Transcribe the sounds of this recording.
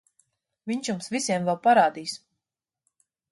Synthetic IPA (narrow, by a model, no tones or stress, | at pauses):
viɲʃjumsvisiɛmvɛlˠpaɾaːd̪iːs